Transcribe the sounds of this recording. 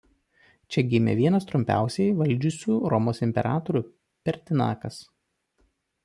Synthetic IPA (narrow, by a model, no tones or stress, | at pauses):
t͡ʃʲɛɡʲɪmʲɛ̰ʋʲiɛnɐst̪ɾʊmʲpʲæ̰ˑʊsʲɛɪʋɐlʲˑd͡ʒʲʊsʲuːɾɔmoːsɪmʲpʲɛ̰ɾʔɑ̰ːt̪ɔɾʲuː | pʲɛɾʲt̪ʲɪnɑ̰ːkɐs